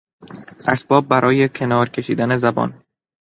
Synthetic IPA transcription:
ʔæsb̥ɒːb̚ːæɾʔɒːje̞cʰe̞nɒːɾcʰe̞ʃiːd̪æne̞zæbɒ̰ːn

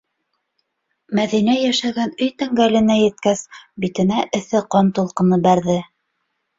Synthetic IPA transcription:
mæðinæjæʃæɡænɵjt̪æŋɡælɘ̆næjɘ̆t̪̚kæsbit̪ɘ̆næʔɵ̆θɘqɑnt̪ulˠqɤ̆nɤbæɾðɘ

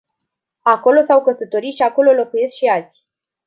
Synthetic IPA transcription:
ako̞lo̞sawkəsət̪o̞ɾiʃiako̞lo̞lo̞kuje̞skʃiazʲ

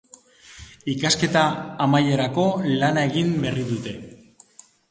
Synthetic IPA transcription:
ikaske̞t̪aːmaje̞ɾako̞lanae̞ɣimberiðut̪e̞

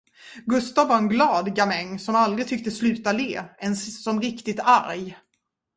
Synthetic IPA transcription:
ɡɵst̪avːaɾɛnɡlɑːd̪ɡamɛŋːsɔmald̪ɾɪɡ̚t̪ʰʏk̚t̪əslʉ̟ːt̪aleːɛnssɔmɾɪkt̪ɪt̪a̰ɾj

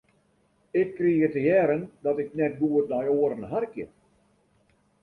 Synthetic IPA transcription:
ɪkːriɣətəjɛːɾəndɔtɪk̚nɛt̚ɡuːətnɔjoəɾənɦarkjə̰

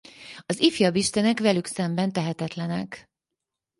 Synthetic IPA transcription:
ɒzifjɒbiʃt̪ɛnɛkʋɛlyksɛmbɛnt̪ɛɦɛt̪ɛt̪lɛnɛk

